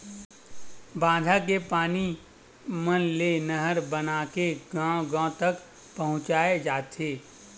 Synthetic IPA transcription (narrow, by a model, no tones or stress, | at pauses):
bãːd̪ʱak̬epaːni | mənlenəɦəɾbənaːkeɡãːɡãːt̪ək | pɐɦʊ̃t͡ʃaːed͡ʒaːt̪eː